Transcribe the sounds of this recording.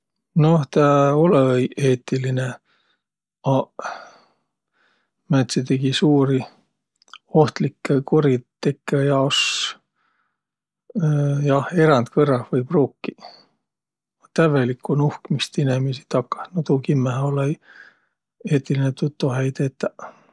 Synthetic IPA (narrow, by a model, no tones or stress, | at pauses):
noht̪æolejʔeːt̪ːiline | ɑ | mæt̪sit̪e̞ɡ̥isuːɾi | oht̪likːekoɾit̪ːekːejɑos | jɑhe̞ɾɑnt̪kɤrːɑhvɤjpruːkːi̥ | ɑt̪ævelikːunuhkmist̪inemisi̥t̪ɑkːɑ̥snot̪uːkimːæhole | eːt̪ːˑilinet̪ut̪ːoɦæjdt̪et̪ːæ